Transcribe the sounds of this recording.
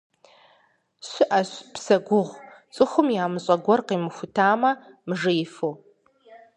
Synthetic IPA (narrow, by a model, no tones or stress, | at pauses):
ɕɪʔɐɕpsɐɡʷʊʁʷt͡sʼɨxʷʊmjaːmɨɕʼɐɡʷɔrqiːmɨxʷʊtʰaːmɐmɨʐɨjɪfow